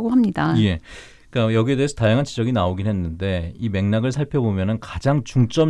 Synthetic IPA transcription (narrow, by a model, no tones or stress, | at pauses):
ɡoɦamɲidaje̞ | k͈ajʌɡiedeesʰʌtajaŋɦant͡ɕid͡ʑʌɡinaoɡinɦwe̞nːɯnde̞ime̞ŋnaɡɯɭsʰaɭpʰjʌbomjʌnɯnkad͡ʑaŋt͡ɕuŋt͡ɕ͈ʌm